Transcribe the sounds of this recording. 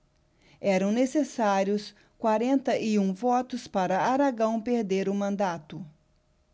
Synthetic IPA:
ɛɾɐ̃w̃nesesaɾjʊs | kwaɾẽnt̪ɐʔɪũvɔt̪ʊspaɾɐaɾaɡɐ̃w̃peɾd̪eɾʊmɐ̃nd̪at̪ʊ

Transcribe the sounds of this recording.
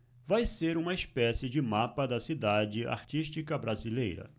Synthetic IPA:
vajseɾũmɐɪspɛsɪd͡ʒɪmapɐd̪ɐsid̪ad͡ʒɪa̰ɾt͡ʃiʃt͡ʃikɐbɾazilejɾɐ̰

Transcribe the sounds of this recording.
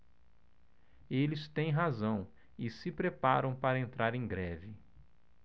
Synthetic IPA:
elɪst̪ẽj̃ɦazɐ̃w̃ | ɪsɪpɾepaɾɐ̃w̃paɾɐẽnt̪ɾaɾẽj̃ɡɾɛvɪ

